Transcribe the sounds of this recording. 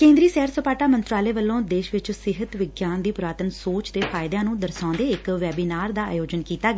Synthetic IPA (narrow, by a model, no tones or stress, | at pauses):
kẽːnd̪ɾiːsɛːɾsəpaːʈaːmənt̪ɾaːleːʋəlːõːd̪eːʃʋɪt͡ʃsɪɦət̪ʋɪɡjaːnd̪iːpʊɾaːt̪ənsoːt͡ʃt̪eːpʰaːɪd̪jãːnũːd̪əɾsãːnd̪eːɪkʋɛːbiːnaːɾd̪aːa̰ːjoːd͡ʒənkiːt̪aːɡ